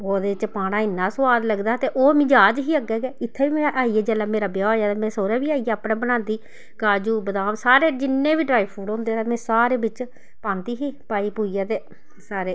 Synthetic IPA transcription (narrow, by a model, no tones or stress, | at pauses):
oːd̪eːɪt͡ʃpaːɽ̃aːɪnːaːsəʋaːd̪ləɡd̪aːt̪eːʔoːmɪd͡ʒaːd͡ʒɦiːəɡɛːɡɛːɪt̪ʰːeːiːmɛ̃ːʔaːiːɛːd͡ʒɛːlaːmeːɾaːbɪjaːoːjaːt̪eːmɛ̃ːsoːɾɛːbiːaːiɛːapɽãːbənãːnd̪iː | kaːd͡ʒuːbəd̪aːmsaːɾeːd͡ʒɪnːẽːbiːɖɾaːiːpʰuːɽɦõːnd̪eːmɛ̃ːsaːɾeːbɪt͡ʃ | pãːnt̪iːɦiːpaːiːpuːijaːt̪eː | saːɾeː